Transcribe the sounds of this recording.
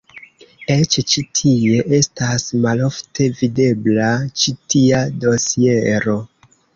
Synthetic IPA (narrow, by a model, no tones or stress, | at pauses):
e̞t͡ʃt͡ʃitʰie̞ʔe̞stasmalo̞ftʰe̞vide̞blat͡ʃitiado̞sie̞ɾo̞